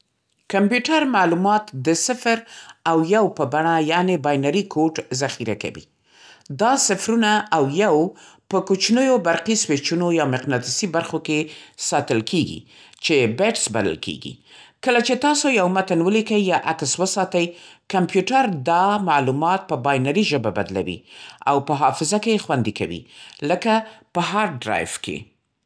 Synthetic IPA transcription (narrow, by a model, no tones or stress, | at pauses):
kampjuʈaɾmalumɑt̪d̪əsɪfɾawjawpəbaɳajanebɑjnaɾikʰoʈzaxiɾa̰ka̰wḭ | d̪ɑsɪfɾunaʔːwjaw | pəkut͡ʃnəjobaɾqiswet͡ʃunojɑmɪqnɑt̪ɪsibaɾxokesɑt̪əlkʰeɡḭ | t͡ʃebeʈsbalə̰lkʰḛɡḭkəlat͡ʃet̪ɑsojawmat̪anwəlikəjːɑʔakswəsɑt̪ajkampjuʈaɾd̪ɑmalumɑt̪̚pəbɑjnaɾiʒəbaba̰d̪la̰wḭa̰wpəɦɑfɪzakejexwand̪ika̰wḭləkapəɦaɾɖɾa̰jfkḛ